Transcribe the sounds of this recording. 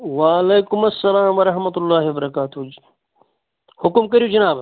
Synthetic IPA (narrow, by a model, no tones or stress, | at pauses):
waːleːkʊmɐsːɐlaːmwɐɾɐɦmɐt̪ulːaːɦibɐɾɐkaːt̪ud͡ʒi | hʊkmkɐɾijud͡ʒɐnaːb